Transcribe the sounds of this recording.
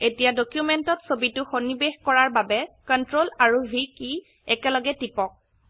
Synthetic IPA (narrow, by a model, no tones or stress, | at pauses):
etijadokjumɛntɔtsobitʊxonibexkɔɹaɹbabɛkɔntɹolaɹuvʱiki | ɛkɛlɔɡɛtipɔk̚